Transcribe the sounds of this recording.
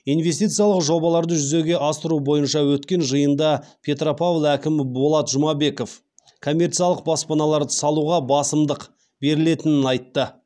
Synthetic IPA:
ijnve̞st̪ijt̪sɨjɑlˠəqʒo̞bɑlˠɑɾd̪əʒʏze̞ɡʲe̞ʔɑst̪əɾubo̞jənʃɑwɵt̪kʲe̞nʒəjənd̪ɑpʲʰe̞t̪ropavlˠækʲɪmbolˠɑt̪ʒʊmɑbe̞ko̞f | kʰo̞mʲːe̞ɾt̪sijɑlˠəq̚bɑspɑnɑlˠɑɾd̪əsɑlˠuʁɑbɑsəmd̪əq | be̞ɾɪle̞t̪ɪnɪnɑjt̪ːə

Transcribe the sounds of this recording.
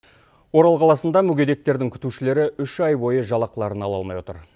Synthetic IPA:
wo̞ɾɑlˠqʰɑlˠɑsənd̪ɑmʏɡʲe̞d̪e̞k̚t̪e̞ɾd̪ɪŋkʲʰʏ̥t̪uʃɪle̞ɾɪʔʏʃɑjbo̞jəʒɑlˠɑqəlˠɑɾənɑlˠɑ̰lˠmɑjwot̪ə̰ɾ

